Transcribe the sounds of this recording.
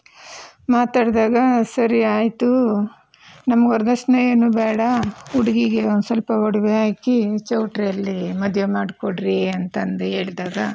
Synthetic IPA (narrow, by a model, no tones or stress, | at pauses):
maːt̪aːɽd̪aːɡɐsɐɾiaːjt̪u | nɐmɐɡɔɾd̪ɐsnɐjeɐnuːbɛːɽɐuɽiɡiɡeond̪usɐlpɐɔɽɐʋeaːkit͡ʃɐwʈɾɐlːimɐd̪ʱjemaːɽkoɽɾiɐnt̪ɐnd̪uɦe̞ːɭd̪aːɡɐ